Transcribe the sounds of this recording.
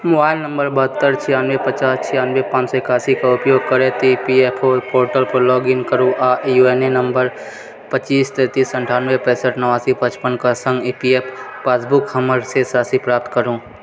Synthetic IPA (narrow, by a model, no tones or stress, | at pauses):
mobaːɪlnə̃mbəɾbəɦət̪ːəɾt͡ʃʰɪjaːnʋepət͡ʃaːst͡ʃʰɪjaːnʋepãːt͡ʃsɔɪkaːsikaʊpjoːɡ̚kəɾet̪oipieːpʰoːɾpoːɾʈəlpəɾlɔːɡɪnkəɾũʔaːʔjueːnenəmbəɾ | pət͡ʃiːst̪ɛːt̪iːsə̃ɳʈʰaːnʋepɛ̃ːsəʈnəʋaːsipət͡ʃpənkasə̃ŋɡipieːpːaːsbʊkhɐməɾsesaːsipɾaːp̚t̪kəɾũː